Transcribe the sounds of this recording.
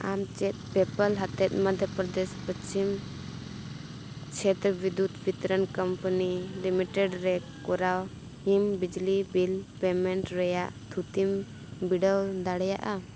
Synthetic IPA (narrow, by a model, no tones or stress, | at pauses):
a̰mt͡ʃɛt̪̚pɛpəlɦat̪ɛt̪̚məd̪ʱjəpɾɔd̪ɛspət͡ʃim | t͡ʃʰɛt̪ɾəbid̪ut̪bit̪əɾənkəmpənilimiʈɛɖɾɛkɔɾaw | himbid͡ʒlibilpɛmɛɳʈɾɛjaʔt̪ʰut̪im | biɖəwd̪aɽɛja̰ʔa